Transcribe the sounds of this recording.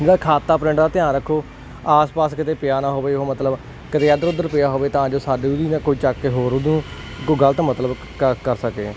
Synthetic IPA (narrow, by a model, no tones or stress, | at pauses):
d͡ʒeːɽaːkʰaːt̪ːaːpɾɪ̃ɳɖd̪aːt̪ɪjãːɾəkʰːoː | aːspaːskɪt̪eːpɪjaːnãːɦoːʋeːɦoːmət̪ləb | kɪt̪eːəd̪əɾʊd̪əɾpɪjaːɦoːʋeːt̪ãːd͡ʒoːsaːɖiːʊd̪iːnãːkoːiːt͡ʃaːkːeːɦoːɾod̪ũː | koɡəlt̪ãːmət̪ləb | əkəɾsəkeː